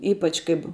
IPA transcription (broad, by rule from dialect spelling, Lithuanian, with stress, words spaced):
ˈiːpɐt͡ʃ kɐɪp